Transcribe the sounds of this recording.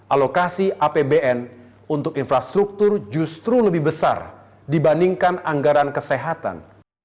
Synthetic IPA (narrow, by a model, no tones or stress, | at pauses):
ʔalokasiʔapebeʔɛn | unt̪ʊkinfɾast̪ɾuk̚t̪ʊrd͡ʒust̪ɾuləbɪhbəsa̰r | dibandiŋkanaŋɡaɾankəseɦat̪a̰n